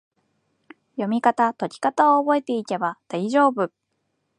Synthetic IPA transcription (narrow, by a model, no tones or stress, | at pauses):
jo̞mʲikat̪at̪o̞ɾʲi̥kat̪aoːbo̞e̞t̪e̞ik̪e̞bad̪̥aiʑo̞ːbɯ̟